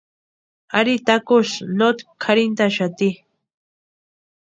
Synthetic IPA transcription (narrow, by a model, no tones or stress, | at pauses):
aɾit̪akoʃnot̪kʰaɾint̪aʃat̪i